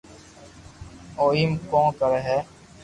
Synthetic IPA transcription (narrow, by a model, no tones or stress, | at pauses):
oːimkõːkəɾɦɛː